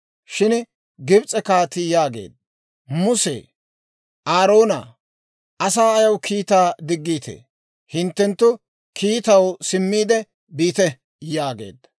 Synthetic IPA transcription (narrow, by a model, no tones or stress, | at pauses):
ʃɪn | ɡɪbt͡sʼɛkaːt̪ɪjaːɡe̞̰ːd̪̚ɐ | mʊsḛ | ʔaːɾo̞ːna̰ | ʔɐsaːɐjɐwkʰiːt̪aːd̪ɪɡːiːt̪ʰḛː | hɪnt̪ːɛnt̪ːʊ | kʰiːt̪ɐwsɪmːiːd̪ɛ | biːt̪ɛ | jaːɡe̞̰ːd̪ɐ